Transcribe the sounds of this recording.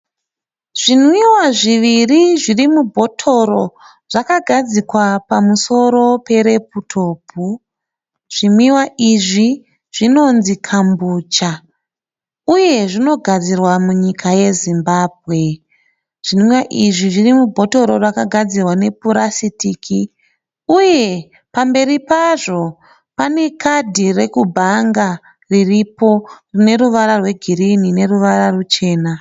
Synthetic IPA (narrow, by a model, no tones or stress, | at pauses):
ʐ̥in̤wiwaʐiʋiriʐirimubʱo̞tʰo̞ɾo̞ | ʐ̥akaɡʱad͡zikwapamuso̞ɾo̞pe̞ɾe̞putʰo̞pu | ʐ̥inwiwaʔiʐi | ʐ̥ino̞nzikʰambuːt͡ʃa | uje̞ʐino̞ɡʱad͡zirwamuɲikʰaje̞zimbaːbʱɣe̞ | ʐ̥imwaʔiʐiʐirimubʱo̞to̞ɾo̞rwakaɡʱad͡zirwane̞puɾasitiːkʰi | uje̞ | pambe̞ɾipaʐo̞ | pane̞kʰadʱire̞kubʱaŋɡa | riripo̞rine̞ɾuʋaɾarwe̞ɡʱirinine̞ruʋaɾarut͡ʃe̞ːna